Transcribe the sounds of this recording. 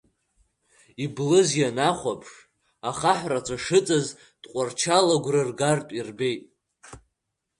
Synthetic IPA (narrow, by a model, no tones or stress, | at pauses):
iblɨzjanaχʷapʰʂ | aχaħʷrat͡ʃʷʰaʂɨt͡sʼaz | d̥qʷʼart͡ʃʰalaɡʷrɨrɡartʼirbe̞jtʼ